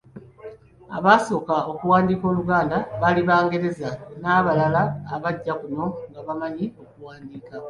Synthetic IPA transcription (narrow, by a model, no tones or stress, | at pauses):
a̰βaso̞ːkao̞kuwaːndiːko̞ːluɡaːndaβaliβaːŋɡe̞ɾe̞zanaβalalaːβaɟːakuno̞ŋɡaβamaɲio̞kuwaːndiːka